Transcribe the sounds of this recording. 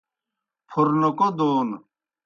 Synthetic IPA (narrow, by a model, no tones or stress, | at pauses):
pʰuɾnokod̪oːn